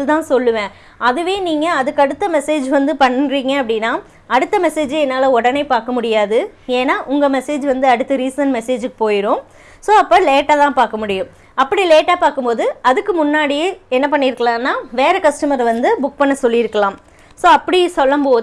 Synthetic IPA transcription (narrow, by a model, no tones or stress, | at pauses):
t̪ãːsɔlːɯʋẽː | ɐðɯʋeːniːŋɡɐɐðɯkːɐɽɯt̪ːɐmɛseːd͡ʒʋɐnd̪ɯpɐɳːɾiːŋɡɐɐpːɐɽɪnːaː | ɐɽɯt̪ːɐmɛseːd͡ʒɛnːaːlɐɔɽɐnɐɪpaːɾkɐmʊɽɪjaːðɯeːnaːʔʊŋɡɐmɛseːd͡ʒʋɐnd̪ɯɐɽɯt̪ːɯɾiːsɐnmɛseːd͡ʒɯkːɯ̥poːjɪɾõː | soːɐpːɐːleːʈːaːt̪ãːpaːɾkɐmʊɽɪjʊ̃m | ɐpːɐɽileːʈaːpaːɾkɯmpoːðɯɐðɯkːɯmʊnːaːɽijeɛnːɐpɐɳːɪɾɯkːɐlãːnːaːʋeːɾɛkɐsʈɯmɐɾʋɐnd̪ɯbʊk̚pɐɳːɐsɔlːɪɪɾɯkːɐlãːm | soːɐpːɐɽisɔlːɐmpoː